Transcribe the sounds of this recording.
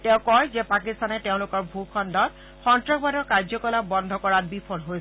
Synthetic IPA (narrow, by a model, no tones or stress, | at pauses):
tɛʊ̃kɔjzɛpakist̪anɛteʊ̃lʊkɔɹbʱukʰɔndɔt | xɔntɹɔkbadɔɹkaɹd͡ʑzɔkɔlabɔnd̪ʱɔkɔɹat̚bipʰɔnɦoj